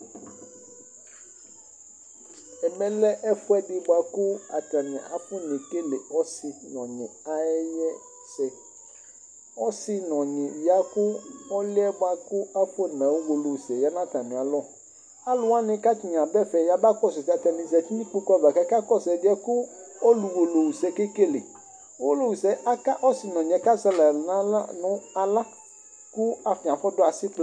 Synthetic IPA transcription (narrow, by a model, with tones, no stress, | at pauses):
ɛ˨mɛ̃˦lɛ˦ʔɛ˦fʊ˦ɛ˦dɪ˦bwa˨kʊ˦a̰˨ta˨mɪ̃˨a̰˨a˨fʊ˦ne˨ke˦le˨ɔ˦sɪ˨nɔ̃˨ɲɪ̃˨a˦ɛ˦jɛ˦ | sɛ˨ | ɔ˦sɪ˦nɔ̃˨ɲɪ̃˨ja˦kʊ˦ɔ˦lɪ˦ɛ˦bʊ˦a˨kʊ˦a˦fʊ˦˨nã˨wu˦wo˨lo˨sɛ˨ja˦nã˦˨ta˨mĩ˨a˨lɔ˦ | a˦lʊ˦wa˦nɪ̃˦ka˦ti˨ɲ˨ã˨bɛ˦fɛ˨ja˨ba˦kɔ˦s̬ʊ˨ta˨ta˨nĩ˨zɛ˨ti˦nĩ˦k͡po˦kva˨ka˦ka˦kɔ˦sɛ˨dɪ˦ɛ˦kʊ˦ɔ˦lu˨wo˨lo˨wu˨sɛ˨ke˦ke˦lḛ˨ | wo˦lo˨wu˨sɛ˨a˦ka˦ʔɔ˦sɪ˦nɔ̃˨ɲ˨ɛ˨ka˦za˦la˨nã˦la˦nʊ̃˦a˨la˦ | kʊ˦a˨fĩ˨a˨fɔ˦dʊ˦a˨sɪ˦k͡pl